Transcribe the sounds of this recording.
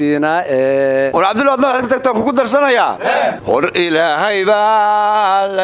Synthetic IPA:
iːnɐɛʊɾʕɑbd̪ɪlːd̪nɐad̪kʰɐt̪ɐk̚t̪aːŋkʊkʊd̪ɐrs̬ɐnɐjaːhɔrɪlaːɦɛjβɐ | lɐ

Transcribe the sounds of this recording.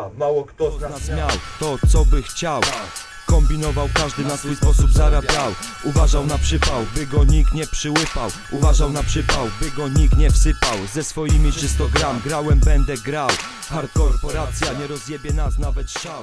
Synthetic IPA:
ɔnasmʲjawt̪ɔt̪sɔbɘxt͡ɕaw | kɔmbʲinɔvawkaʐd̪ɘnasfujspɔsubzaɾabʲjaw | uvaʐawnapʂɘpawbɘɡɔɲikt̪ɲɛpʂɘwɘpawʔuvaʐawnapʂɘpawbɘɡɔɲikt̪ɲɛfsɘpawzɛsfɔjimʲit͡ʂɘst̪ɔɡɾamɡɾawɛmbɛnd̪ɛɡɾaw | xaɾtkɔɾpɔɾat̪sʲjaɲɛɾɔzjɛbʲjɛnasnavɛt̪xt͡ɕaw

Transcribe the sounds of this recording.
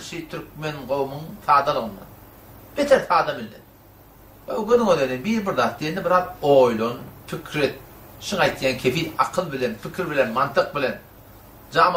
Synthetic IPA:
ʃit̪ʰyɾk̚me̞nʁo̞wmuŋθɑːd̪ɑlˠɯʁɯnd̪ɑ̰n | b̥et̪ʰeθɑːd̪ɑmilːḛn | oɡøðyŋød̪enenbiːɾbɪɾðɑːt̪̚d̪ijend̪ebɪɾɑːðoːjlˠonpʰikʰɾe̞t̪̚ | ʃiŋɑjt̪jɑːnkʲʰe̞fijɑqʰɯlˠbile̞npʰikʰʲiɾbilenmɑnt̪ʰɯq̚bɪle̞n | d͡ʒɑːm

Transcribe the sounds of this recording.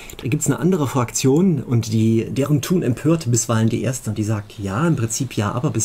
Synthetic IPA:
d̥aːɡiːptsnəʔa̰ndəʁ̞əfʁ̥akt͡sjoːnʊntd̥iːd̥eːʁəntʰuːnɛmpʰøːɐtbɪsv̥aɪləndḭːʔḛːɐstəʊnd̥iːzaːk̚tjaːɪmpʁ̥ɪnt͡siːpʰjaːʔaːbɐbɪs

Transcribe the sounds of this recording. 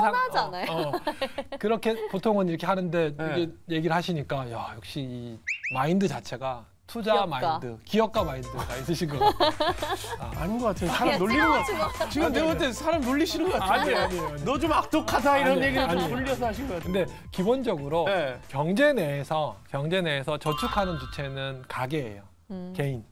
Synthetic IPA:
nanaʌ | kɯɾʌkʰe̞potʰoŋɯniɾʌkʰe̞hanɯnde̞ɡeje̞ɡiɾɯɭhaɕʰiɲik͈ajajʌk̚ɕ͈iimaindɯt͡ɕat͡ɕʰe̞ɡa | tʰud͡ʑamaidɯkijʌk̚k͈amaindɯais͈ɯɕʰinɡʌa | aaɲiŋɡʌkatʰsʰaɾanoʎːinɯat͡ɕiɡɯmneʌtesʰaɾamnoʎːiɕʰinɯkʌkaaɲiaɲionʌd͡ʑomak̚t͈okʰadaiɾʌnjeɡiɾɯɭɲioʎːʌs̬ʰʌaɕ̬ʰinɡʌkaɯnde̞ | kibond͡ʑʌɡɯɾokjʌŋd͡ʑe̞neːsʰʌkjʌŋd͡ʑe̞ne̞ːsʰʌt͡ɕʌt͡ɕʰukʰanɯnt͡ɕut͡ɕʰe̞nɯnkaɡeɦḛjo | ke̞in

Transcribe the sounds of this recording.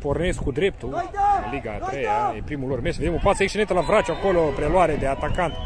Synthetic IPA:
po̞rneskːud̪ɾe̞pt̪uɨnliɡat̪ɾeja̰epɾimulormesved̪emopat̪səeksʃenet̪əlavɾat͡ʃuako̞lopɾelwaɾed̪e̞at̪akant̪

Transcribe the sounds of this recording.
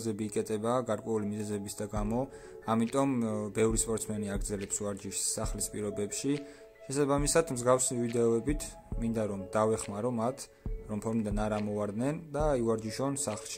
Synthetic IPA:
zɛbiːkʼɛt̪ʼɛbaɡaɾkʼwɛulimizɛzɛbisd̪aɡamɔ | amit̪ʼɔmbɛvɾispʼɔɾt̪sʰmɛniaɡɾd̪zɛlɛpsuaɾd͡ʒiʃsaχlispʼiɾɔbɛpʃi | ʃɛsabamisad̪mzɡafsivid̪ɛɔɛbit̪ʰ | mind̪aɾɔmd̪avɛχmaɾɔmat̪ʰ | ɾɔmpʰɔɾmid̪anaɾamɔvaɾd̪nɛnd̪aiuaɾd͡ʒiʃɔnsaχlʃi̥

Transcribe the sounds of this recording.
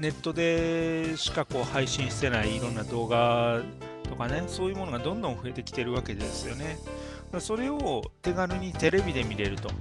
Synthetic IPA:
ne̞t̪ːo̞d̪e̞ɕi̥kako̞ːhaiɕĩɰ̃ɕi̥t̪e̞naiːɾõ̞nːad̪o̞ːɡa | t̪o̞kane̞so̞ːjɯ̟ːmo̞noɡad̪õ̞nd̪õ̞ɰ̃ɸɯ̟e̞t̪e̞kʲi̥t̪e̞ɾɯ̟βake̞d̪esɨjo̞ne̞ | d̪aso̞ɾe̞o̞t̪e̞ɡaɾɯɲ̟it̪e̞ɾe̞bʲid̪e̞mʲiɾe̞ɾɯ̟t̪o̞̰

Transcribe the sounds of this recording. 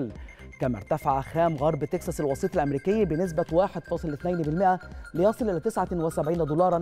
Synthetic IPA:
lkæmæ̰ɾˤt̪æfaʕaxæːmɣɑɾˤbt̪eksɑsælwɑsˤiːt̪ˤɑlʔæmɾiːkɪjːæbɪnɪs̬bæwaːħed̪fɑsˤlɪθnæjnbɪlmɪʔælɪjɑsˤɨlʔɪlæːt̪ɪsʕawɪsæbʕiːnæd̪uːlɑːɾˤɑn

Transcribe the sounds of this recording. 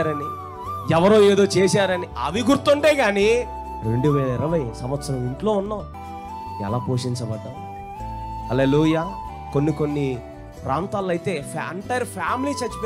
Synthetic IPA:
aːɾɐni | ɛʋɐɾoːeːd̪o̞ːt͡ʃeːsaːɾɐniɐ̰ʋiɡuɾt̪uɳʈe̞ːɡaːni | ɾe̞ɳɖuʋɛːlɐiɾɐʋɐjsɐmʋɐt̪sɐɾɐmiɳʈlo̞ːunːoː | ɛ̰laːpoːʂiɲt͡ʃɐbɐɖ̪ːa | hɐleːluːjaː | konːikonːi | pɾaːnt̪aːlɐjit̪e̞ːpʰːɐɳʈɐɾpʰaːmiliːt͡ʃɐt͡ʃːup

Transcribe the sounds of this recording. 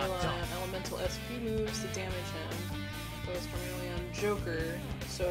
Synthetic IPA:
lˠəɛlˠəmɛ̃ntʰˡl̩ˠɛspʰimuvz̥tʰɨdæmɨd͡ʒðɨ̃m | əɨz̥kʰəmɪɹl̩ˠiə̃nd͡ʒoʊkə˞ | soʊ

